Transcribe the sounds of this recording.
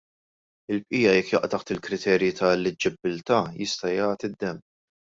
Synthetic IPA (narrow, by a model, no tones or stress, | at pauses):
ɪlp̚ʔiːjɐjɛkːjɐʔt̪ɐħt̪ɪlkɾɪt̪ʰɛːɾjit̪ɐlːɪd͡ʒɪbːɪlt̪ɐːjɪst̪ɐjɐːt̪id̪ːɛm